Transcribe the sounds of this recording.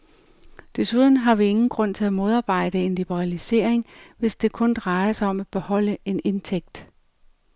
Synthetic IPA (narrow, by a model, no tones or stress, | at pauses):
d̥e̝suð̞ˠn̩ɦɑ̈ʋie̝ŋn̩ɡ̥ʁɔ̽n̰t͡sʰe̝læmo̝ð̞ˠɑ̈ːb̥ɑ̈ɪ̰d̥əe̝nlib̥əʁɑlise̝̰ɐ̰eŋʋe̝sd̥e̝kʰɔ̽nd̥ʁɑ̈ɪɐsɑ̈ɪɒ̽mæb̥e̝hɒ̽l̰əe̝ne̝nt͡sʰeɡ̥̚d̥